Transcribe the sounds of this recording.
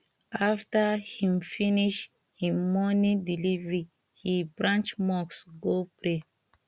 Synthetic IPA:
aftahĩmfiniʃ | hĩmɔnĩdilivɹi | hibɹãnt͡ʃmɔksɡopɹe

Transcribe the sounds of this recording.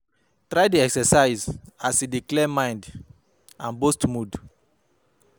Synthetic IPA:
tɾajduɛksɛsaɪzasidiklɛmãj̃nd | ãnbostmud

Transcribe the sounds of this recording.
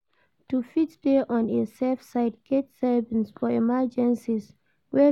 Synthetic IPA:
tufitdeʔɔ̃nesɛfsaɪdɡ̥etsɛvĩnsfɔɛmad͡ʒɛ̃nsis | wɛ

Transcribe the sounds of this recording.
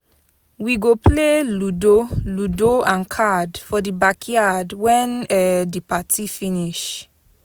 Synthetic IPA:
wiɡopʰleludoludoãnkʰadfɔdibakʰjadwɛ̃nɛdipatifiniʃ

